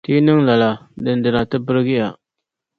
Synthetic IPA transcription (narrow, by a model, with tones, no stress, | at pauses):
ti˦nɪ˦ŋla˨la˨dɨ˨ndɨ˨na˨tɨ˦bɨ˦ɾɡɪ˦ja˨